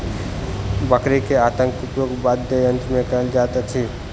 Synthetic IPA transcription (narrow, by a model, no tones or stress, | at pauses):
bəkɾekeat̪ə̃ŋkupjoɡbad̪ʱeənt̪ɾmẽkəɾəld͡ʒat̪et͡ʃʰi